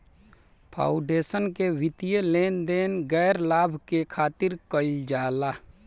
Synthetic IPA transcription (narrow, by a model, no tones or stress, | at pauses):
pʰa̰ːʊɖeːsənkeʋɪt̪ijeleːnd̪eːnɡɛːɾlaːbʱkekʰaːt̪ɪɾkəɪld͡ʒaːlaː